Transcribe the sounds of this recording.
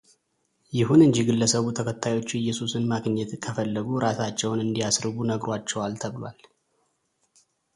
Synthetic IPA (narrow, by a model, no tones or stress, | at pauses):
jɪhunɨɲd͡ʒiɡɨlːəsəβut̪ʰəkʰət̪ʰːajo̞t͡ʃːɪjːɛsusɨnmaɡɲːɛt̪kʰəfəlːəɡuɾʔasat͡ʃːɛwnɨnd̪ijasɾɨɡunəɡɾwat͡ʃːɛwalt̪ʰəβɨlwa̰l